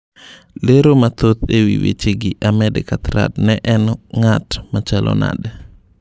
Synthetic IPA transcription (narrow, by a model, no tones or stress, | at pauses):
leɾomat̪ot̪ewiwḛt͡ʃeɡɪʔamɛdɛ̰kat̪ɾa̰dnɛʔɛnŋatmat͡ʃalʔɔ̰na̰d